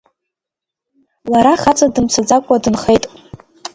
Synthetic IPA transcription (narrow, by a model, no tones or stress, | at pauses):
laɾaχat͡sʼadɨmt͡sʰad͡zakʷʼadɨnχejtʼ